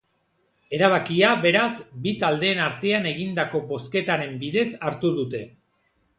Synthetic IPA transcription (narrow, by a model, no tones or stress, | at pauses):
e̞ɾaβ̞akiaβe̞ɾazbit̪ald̪e̞ːnaɾt̪e̞ane̞ɣind̪ako̞bo̞ske̞t̪aɾe̞mbiðe̞saɾt̪uðut̪e̞